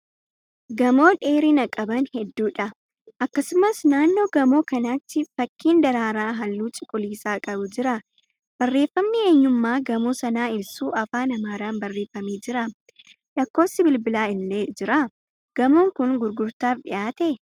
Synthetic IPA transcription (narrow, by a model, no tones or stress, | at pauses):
ɡɐmo̞ːᶑe̞ːɾiːnɐkʼɐbɐnhɛd̪ːuːᶑɐ | ʔɐkːɐsʊmɐsnaːnːo̞ːɡɐmo̞ːkɐnat̪ːɪfɐkʰːiːnd̪ɐɾaːɾaːɦɐlːuːt͡ʃʼɪ̥kʼːʊliːsaːkʼɐbʊd͡ʒɪɾɐ | b̥ɐrːe̞ːfːɐmnɪe̞ːɲːʊmːaːɡɐmoːsɐnaːɪlsuːɐfaːnɐmaːɾaːnbɐrːe̞ːfːɐmiːd͡ʒɪɾɐ | lɐkːo̞ːsːɪbɪlbɪlaːɪlːeːd͡ʒɪɾɐ | ɡ̥ɐmoːŋkʊnɡʊɾɡʊɾt̪aːfɗɪʔaːt̪ɛ